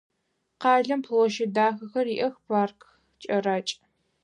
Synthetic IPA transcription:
qɑːɮɐmpʰloːʃɪdaːxɐxɐriːʔɐxpaːrk | t͡ʃʼɐraːt͡ʃʼ

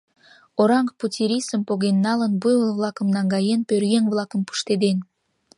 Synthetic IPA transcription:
oɾɑŋkputʲiɾʲisəmpoɣenːɑlənbujolˠβlˠɑkəmnɑŋɡɑjenpørɣeŋβlˠɑkəmpu̥ʃt̪ed̪en

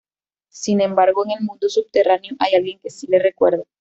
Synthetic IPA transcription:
sinẽ̞mbaɾɣoeŋe̞lmũnd̪osub̚t̪e̞ranjoʔajalɣje̞ŋke̞sile̞rekweɾða

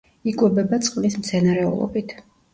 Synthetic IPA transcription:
ikʼwɛbɛbat̪sʼqʼlismt̪sʰɛnaɾɛṵlˠɔ̰bit̪ʰ

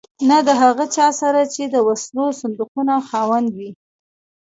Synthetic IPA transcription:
nad̪əɦaɣət͡ʃɑsaɾat͡ʃed̪əwaslosand̪uqunaxɑwand̪wi

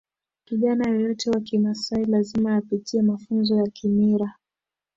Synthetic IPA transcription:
kiʄanajɔjɔtɛwakimasailazimajapitiamafunzɔjakʰimiɾa

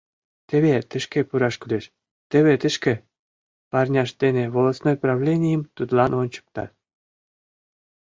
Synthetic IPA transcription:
t̪ʲĕβʲet̪ɘ̆ʃkʲĕpuɾɑʃkʲylʲeʃ | t̪ʲĕβʲet̪ɘ̆ʃkʲĕ | pɑrnʲɑʃd̪ʲenʲĕvolˠosnojprɑvlʲenʲijə̆mt̪ud̪lˠɑnonʲt͡ɕɤ̥k̚t̪ɑ̰t̪

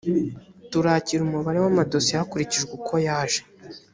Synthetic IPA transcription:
tuɾaːciɾumuβaɾe̞wamado̞siakuɾiciʒɡwekʰo̞jaːʒe

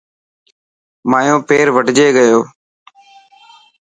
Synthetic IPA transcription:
maːjõːpeːɾʋəɖd͡ʒeːɡəjoː

